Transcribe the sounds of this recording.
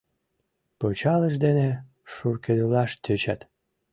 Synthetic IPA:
pot͡ɕɑlə̆ʃd̪ene | ʃurked̪ulɑʃt̪ʲøt͡ɕæ̰t̪

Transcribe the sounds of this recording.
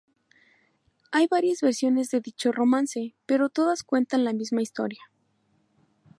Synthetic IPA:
ajβaɾjazβe̞ɾsjo̞ne̞zðeðit͡ʃo̞ro̞mãnse̞pe̞ɾo̞t̪o̞ðaskwe̞nt̪anlamizmaist̪o̞̰ɾja

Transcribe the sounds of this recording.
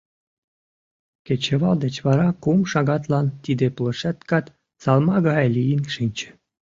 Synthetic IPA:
ket͡ɕə̆βɑld̪ə̆t͡ɕβɑɾɑkumʃɑɣɑt̪lɑnt̪id̪eplɤ̆ʃæt̪kɑt̪ | sɑlmɑɣɑjlʲijinʃinʲt͡ɕə̥̆

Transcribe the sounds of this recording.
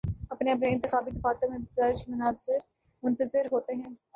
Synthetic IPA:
ɐpneɐpneɪ̃nt̪ɪxaːbid̪ɪfaːt̪õmẽɡʊzaːɾɪʃmʊnaːzɪɾ | mʊ̃nt̪əzɪɾɦoːt̪eɦɛ̃ː

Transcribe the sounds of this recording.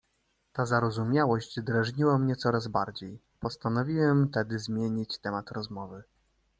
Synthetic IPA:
t̪azaɾɔzumʲjawɔɕd͡ʑd̪ɾaʐɲiwamɲɛt̪sɔɾazbaɾd͡ʑej | pɔst̪anɔvʲiwɛmt̪ɛd̪ɘzmʲjeɲit͡ɕt̪ɛmat̪ɾɔzmɔvɘ

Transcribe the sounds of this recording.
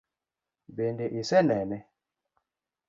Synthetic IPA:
bendeʔisɛnɛnɛ

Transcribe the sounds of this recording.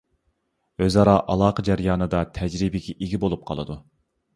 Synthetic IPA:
øzɑɾɑʔɑlˠɑːqʰəd͡ʒæɾjɑːnɨd̪ɑt̪ʰɛd͡ʒɾibɪɡʲɛʔiɡʲibolˠup̚qʰɑ̰lˠɨd̪u

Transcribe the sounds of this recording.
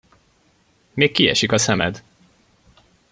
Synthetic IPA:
meːkːiɛ̰ʃikɒsɛmɛ̰d̪

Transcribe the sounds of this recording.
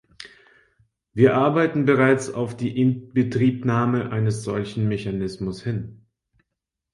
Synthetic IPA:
viːɐʔaɐbaɪtn̩bəʁ̞aɪt͡sa̰ʊfd̥iːʔɪnb̥ətʁ̥iːpnaːməʔaɪnəsz̥ɔlçn̩meçanɪsmʊshɪn

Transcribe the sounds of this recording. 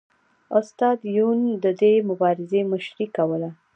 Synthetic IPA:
ʊst̪ɑd̪jund̪əd̪emʊbɑɾɪzeməʃɾikawəla

